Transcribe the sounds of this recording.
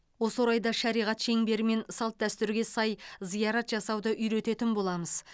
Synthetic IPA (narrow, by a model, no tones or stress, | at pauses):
wo̞səwoɾɑjd̪ɑʃɑɾijʁɑt̪ʃe̞ŋbe̞ɾɪme̞nsɑlˠt̪̚d̪æst̪ʏɾɡʲe̞sɑjzijɑɾɑt̪ʒɑsɑwd̪əʔʏjɾe̞t̪e̞t̪ɪnbo̞lˠɑməz̥